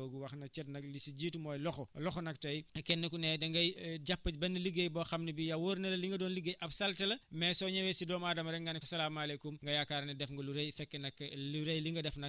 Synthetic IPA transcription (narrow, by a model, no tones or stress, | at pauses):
oɡuwɐxnɐk̚t͡ʃɛt̚nɐklisiɟiːtmɔːjlɔxɔlɔxɔnɐktɐjkɛnːɐkunɛdɐŋɡɐjɟapːɐbɛnːɐliɡejbɐxɐmnibijawoːɾnɐlɐliŋɡɐdɔːnliɡːejʔɐbsɐltɐlɐmɛsɔɲɐwɛsidɔːmaːdɐmɐɾɛkŋɡɐnsɐlaːmɐlekumŋɡɐjakːaːɾnɛdɛfŋɡɐluɾejfɛkːɛnɐkːluɾejliŋɡɐdɛfnɐ